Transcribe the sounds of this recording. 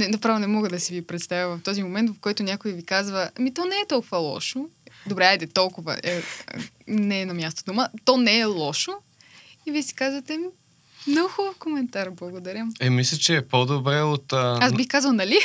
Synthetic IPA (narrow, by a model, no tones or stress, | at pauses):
nɛnɐpɾavonɛmɔɡəd̪ɐsivipɾɛt̪st̪avʲjʲəvɐft̪ɔzimomɛnt̪vɐfkɔjt̪ʊnʲakojivikazvɐamit̪ɔnɛːt̪ɔlˠkʊvɐlˠɔ̰ʃod̪obɾɛajd̪ɛt̪ɔlˠkʊvə̰ə | nɛːnɐmʲjast̪od̪umət̪ɔnɛɛlˠɔʃo | iviɛsi̥kazvɐt̪ɛm | noxovkomɛnt̪aɾblˠɐɡod̪ɐɾʲjəmɛmislʲət͡ʃɛːpod̪obɾɛot̪azbixkazvɐlˠnɐli